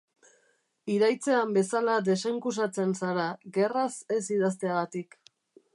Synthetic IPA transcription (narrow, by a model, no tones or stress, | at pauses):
iɾajt͡se̞ambe̞salad̪e̞seŋkus̬at͡se̞nsaɾaɣe̞rase̞siðas̬t̪e̞aɣat̪ik